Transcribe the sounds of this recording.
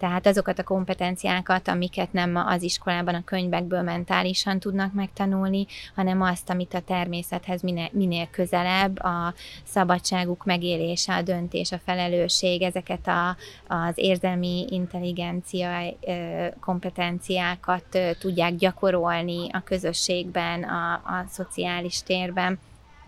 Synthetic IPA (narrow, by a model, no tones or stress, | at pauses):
t̪ɛɦaːt̪ɒzo̞kɒt̪ɒko̞mpɛt̪ɛnt̪sijaːkɒt̪ɒ̰mikɛt̪nɛmɒ̰ziʃko̞laːbɒnɒkø̞ɲvɛɡ̚bøːlmɛnt̪aːliʃɒnt̪ud̪nɒkmɛkt̪ɒnulnihɒnɛmɒst̪ɒmit̪ɒt̪ɛrmeːsɛt̪hɛzminmineːlkø̞zɛlɛbːɒsɒbɒt͡ʃːaːɡukmɛɡeːleːʃɛɒd̪ø̞nt̪ḛːʃɒfɛlɛløːʃeːɡɛzɛkɛt̪ɒː | zeːrzɛlmiint̪ɛlːiɡɛnt̪sijɒ | ko̞mpɛt̪ɛnt̪sijaːkɒt̪ːt̪ːuɟːaːɡɟɒko̞ɾo̞lniɒkø̞zø̞ʃːeːɡbɛnɒso̞t̪siaːliʃt̪eːrbɛn